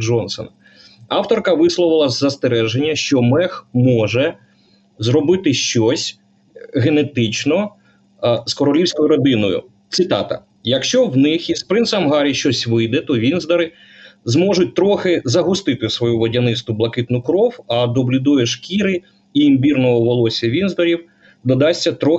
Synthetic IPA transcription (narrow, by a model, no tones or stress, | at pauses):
d͡ʒɔnsɔ̰nɐ | ɑwt̪ɔrkɐʋɪslˠɔʋɪlˠɐzɐst̪eɾɛʒenʲːɐʃt͡ʃɔmɛxmɔʒɛ | zɾɔbɪt̪ɪʃt͡ʃɔsʲ | ɦenet̪ɪt͡ʃnɔ | skɔɾɔlʲiwsʲkɔjʊɾɐd̪ɪnɔjʊ̰ | t̪sɨt̪ɑt̪ɐ̰ | jɐkʃt͡ʃɔwnɪxizpɾɪnsɐɐmɦɑɾʲiʃt͡ʃɔsʲʋɪjd̪ɛt̪ɔʋʲinzd̪ɐɾɪ | zmɔʒʊt̚ʲt̪ɾɔxɪzɐɦʊst̪ɪt̪ɪsʋɔjuʋɔdʲɐnɪst̪ʊblˠɐkɪt̪nʊkɾɔwɐd̪ɔblʲud̪ujeʃkʲiɾɪ | iimbʲirnɔɦɔʋɔlˠɔsʲɐʋʲinzd̪ɐɾʲiw | d̪ɔd̪ɑsʲtʲːɐt̪ɾɔ